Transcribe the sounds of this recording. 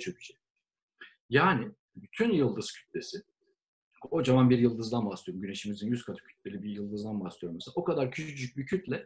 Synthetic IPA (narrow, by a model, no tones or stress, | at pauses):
t͡ʃʰoc̚by̥ʃe | jaːnɪ | byt̪ʰynjɯlˠd̪ɯz̥cʰy̥t̪̚lʲe̞sɪ | o̞d͡ʒavanbiɾjɯlˠd̪ɯzd̪anbasˠɯjoɾmɟyne̞ʃimizinjyskʰat̪ʰɯ̥cʰy̥t̪̚lʲe̞lʲibijɯlˠd̪ɯzd̪anbasˠijo̞ɾmesao̞kad̪aɾcʰyyyd͡ʒyc̚ʲbicʰyt̪lʲɛ